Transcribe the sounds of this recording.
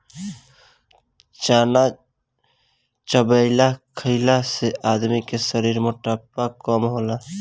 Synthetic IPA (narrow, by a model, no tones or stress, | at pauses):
t͡ʃaːna | t͡ʃəbəɪlakʰəɪlaseʔaːd̪mikesəɾiːɾmʊʈapːakɔːmɦoːlaː